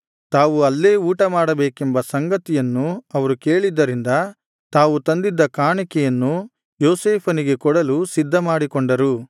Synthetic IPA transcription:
t̪aːʋuɐlːe̞ːuːʈɐmaːɽɐbeːkembɐsɐŋɡɐt̪ijɐnːuɐʋɐɾuke̞ːɭid̪ːɐɾind̪ɐ | t̪aːʋut̪ɐnd̪id̪ːɐkaːɳikɛjɐnːu | joːseːpʰɐniɡe̞kɔɽɐlusid̪ʱːɐmaːɽikɔɳɖɐɾu

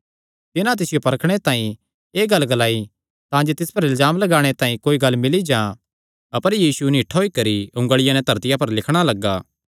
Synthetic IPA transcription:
t̪ɪnãt̪̬ɪsɪjopɐɾəkʰɽ̃et̪ãːĩ | eːɡɐlːɡɐlaːi | t̪ãːd͡ʒet̪ɪspɐɾɪlzaːmlɐɡaːɽ̃et̪ãːĩkoːiɡɐlːmɪlid͡ʒãː | ɐpəɾjiːsuniːʈʰɦoːikɐɾiʊ̃ŋɡəɭɪjãnɛ̃t̪ɐɾt̪ɪjapɐɾlɪkʰɽ̃alɐɡːaː

